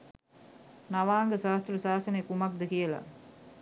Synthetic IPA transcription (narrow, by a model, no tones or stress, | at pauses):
naʋaːŋɡəsaːst̪rɐsaːsɐnekumɐk̚d̪əkijəla̰